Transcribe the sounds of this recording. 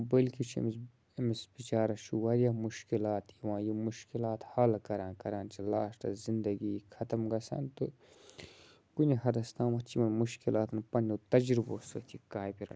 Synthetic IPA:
bɐlkit͡ʃʰḭmis | misbit͡ʃaːɾɐʃuwɐɾjamuʃkilaːt̪iʋãːjimuʃkilaːt̪hɐlkɐɾãːnkɐɾãːnt͡ʃʰilaːʃt̪ɐ̰zind̪ɐɡikʰɐt̪ɐmɡɐsɐ̰nt̪ɨ | kunihɐd̪ɐst̪aːmɐt͡ʃʰimɐnmuʃkilaːt̪ʰɐnpɐnʲːut̪ɐd͡ʒɾiboːsɐ̰t̪ʰikaːjpiɾɐ̰

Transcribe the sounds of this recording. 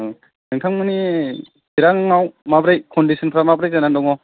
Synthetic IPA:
ɯŋtʰaŋmɯni | biɾaŋaŋawmabɾajkɔndisʰɔnpʰɾamabɾajzanandɔŋɔ

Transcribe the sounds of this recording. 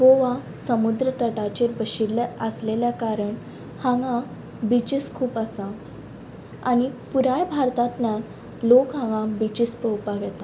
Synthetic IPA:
ɡoʋasəmud̪ɾət̪əʈat͡ɕeɾbəɕiləəsleljakaɾəɳ | hãŋã | bit͡ɕiskʰuːpəsa | a̰ɽ̃ipuɾajbʱaɾt̪at̪na | lokɦãŋɡãbit͡ɕispəwpaʋɛt̪a

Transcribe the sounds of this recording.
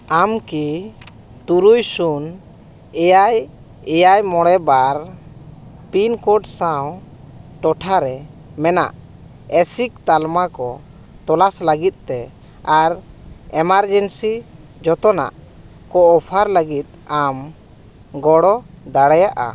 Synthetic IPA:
amki | t̪uɾujsun | ɛjaj | ɛjajmɔɽɛbaɾ | pinkɔʈsaw | ʈɔʈʰaɾɛ | mɛna̰ʔ | ɛsik̚t̪almakɔ | t̪ɔlasləɡit̪̚ˀt̪ɛ | aɾɛmaɾd͡ʒɛnsi | d͡ʒɔt̪ɔna̰ʔ | kɔɔpʰaɾləɡit̪̚am | ɡɔɽɔ | d̪aɽajaʔa̰

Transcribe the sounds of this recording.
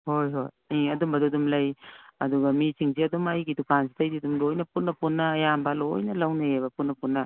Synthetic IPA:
hojɦoj | iɐdumbɐdudumlɐjɐduɡɐmisiŋsiɐdumɐjɡidukansi̥tɐjsidumlojnɐpunːɐpunːɐːjambɐlojnɐlɐwnɐebɐpunːɐpunːɐ

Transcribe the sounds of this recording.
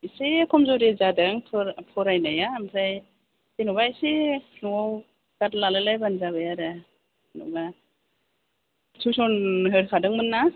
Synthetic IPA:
isekʰɔmzɔɾezadaŋpʰɾpʰɔɾajnajampʰɾaj | enubajsenuaw | ɡatlalɯlajbanzaβɯjaɾɯ | nṵba | sʰusɔnɦɯɾkʰadɯŋmɯnːa

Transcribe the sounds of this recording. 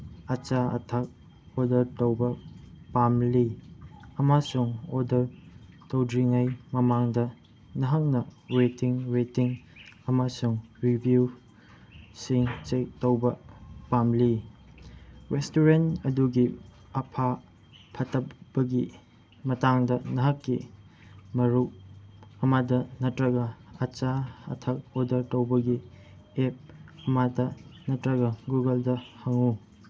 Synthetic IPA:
ɐt͡ʃaɐ̰tʰɐk̚ | odɐɾtɐwbɐpamli | ɐmasuŋodɐɾ | tɐwdɾiŋɐjmɐmaŋdɐ | nɐɦɐŋnɐɾetiŋɾetiŋɐmasuŋɾibʱju | siŋt͡ʃek̚tɐwbɐpamli | ɾestuɾentɐduɡi | ɐpʰa | pʰɐtɐbɐɡi | mɐtaŋdɐnɐɦɐkːi | mɐɾu | ɐmadɐnɐtɾɐɡɐɐt͡ʃaɐ̰tʰɐk̚odɐɾtowbɐɡi | ep̚ɐmadɐnɐtɾɐɡɐɡuɡɐldɐhɐŋu

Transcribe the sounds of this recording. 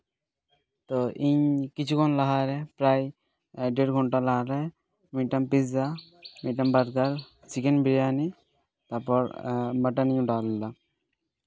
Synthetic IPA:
t̪ɔʔiɲkit͡ɕʰukʰɔnlaɦaɾɛpɾaj | ɖeɾɡʱɔɳʈalaɦaɾɛ | miʈampizamiʈambaɾɡ̪aɾ | sikenbiɾiani | t̪aɾpɔɾmaʈaniɲuɖallːa

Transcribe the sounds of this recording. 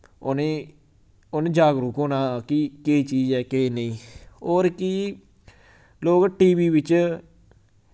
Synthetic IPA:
oneː | oːnẽːd͡ʒaːɡɾuːkoːnaːkiket͡ʃiːd͡ʒɛːkeːnəĩːoːɾkɪ | loːkʈiːʋiːʋɪt͡ʃ

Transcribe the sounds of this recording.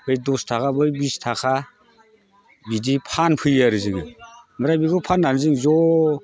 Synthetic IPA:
bɯjdɔstʰakʰabɯjbistʰakʰa | bidipʰanpʰɯjaɾɯzɯŋɯmɯɾajbiɡɔpʰanːaɾɯzɯŋzɔ

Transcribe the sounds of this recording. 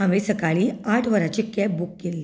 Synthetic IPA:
ə̃ʋesəkaɭiːaʈʰʋəɾat͡ɕikɛbukːelːi

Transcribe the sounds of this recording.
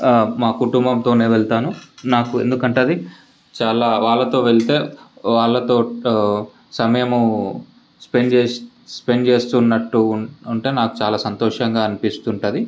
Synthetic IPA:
maːkuʈumbɐmt̪o̞ːneːʋeɭt̪aːnunaːkue̞̰nd̪ukɐɳʈaːd̪i | t͡ʃaːlaːʋaːɭːɐt̪o̞ːʋeɭt̪e̞ːʋaːɭːɐt̪o̞ː | sɐmɐjɐmu | spend͡ʒe | speɳd͡ʒe̞ːst̪uːnːɐʈːuːɳʈeːnaːku̥t͡ʃaːlaːsɐnt̪ɔːʂɐŋɡaːɐnipist̪uɳʈɐd̪i

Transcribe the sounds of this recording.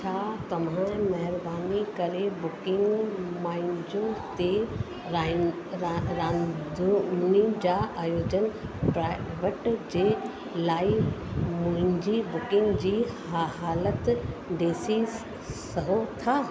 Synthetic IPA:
t͡ɕʰaːt̪ɐʋ̤ãmɐɦɪɾbaːnikɐɾebʊkɪ̃ŋɡmãːɪ̃ɲd͡ʑõt̪e | ɾa | ɾãːd̪uʊnid͡ʑaːʔaːjoːd͡ʑənpɾaːʋəʈd͡ʑeː | laːɪmʊ̃ɦɪ̃ɲd͡ʑibʊkɪ̃ŋɡd͡ʑiːhaɦaːlət̪ɖeːsi | sɐɦot̪ʰaː

